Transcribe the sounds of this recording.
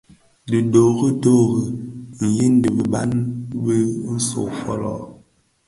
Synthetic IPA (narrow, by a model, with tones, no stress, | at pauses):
di˨do˨ɣə˦do˦ɣə˨n̩˨ji˦n˦də˨bi˨ba˦nbə˦n̩˦so̰˨fɔ˦lɔ̰˨